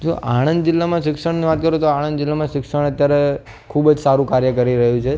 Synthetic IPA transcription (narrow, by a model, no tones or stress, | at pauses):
d͡ʒoʔaɽ̃ənd̪d͡ʒɪlːamãʃɪkʃəɳniʋat̪̚kəɾũt̪oaɽ̃ə̃nd̪d͡ʒɪlːamãʃɪkʂəɳ̃ət̪jaɾe | kʰubd͡ʒsaɾũkaɾjəkəɾiɾəɦũt͡ʃʰe